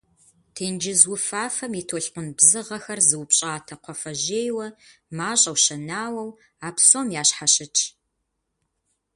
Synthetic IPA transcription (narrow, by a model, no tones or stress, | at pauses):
tʰeːnd͡ʒɪzwʊfaːfɐmitʰoːɬqʷʊnbzɨʁɐxɐrzɨwpɕʼaːtʰɐqʷɔfɐʑeːjwɐmaːɕʼɐwʃɐnaːwɐw | aːpsoːmjaːɕħaɕɪt͡ʃʼʰ